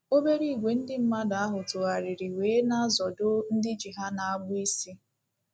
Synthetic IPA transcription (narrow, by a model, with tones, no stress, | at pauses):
o˦be˦ɾi˦˨ɡʷe˨n̩˦dɪ˦m̩˦ma˦da˨a˦ɦʊ˨tʊ˨a˨ɾɪ˨ɾi˨weː˨˦na˦zɔ˨dʊ˦n̩˦dɪ˦d͡ʒi˨ɦa˦na˨a˦ɡ͡bʊ˦i˦si˦